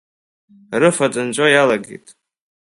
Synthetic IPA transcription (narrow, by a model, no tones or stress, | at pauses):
rɨfat͡sʼɨnt͡ʃʷʼajalaɡḛjtʼ